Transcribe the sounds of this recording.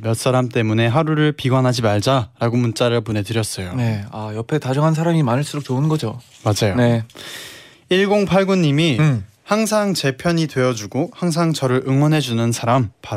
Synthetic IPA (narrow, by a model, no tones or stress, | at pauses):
mjʌt̚s͈aɾamt͈e̞mune̞ɦaɾuɾɯɭpiɡwanɦad͡ʑimaɭd͡ʑaɾaɡomunt͡ɕ͈aɾɯɭpone̞dɯɾjʌs͈ʌjoneajʌpʰe̞tad͡ʑʌŋɦans̬ʰaɾamimanɯɭs͈uɾok̚t͡ɕoɯnɡʌd͡ʑo | mad͡ʑajone | iɭɡoŋpʰaɭɡuɲːimi | haŋsʰaŋt͡ɕe̞pʰjʌɲidwe̞ʌd͡ʑuɡohaŋs̬ʰaŋt͡ɕʌɾɯɾɯŋwʌnɦe̞d͡ʑunɯnsʰaɾampaɾ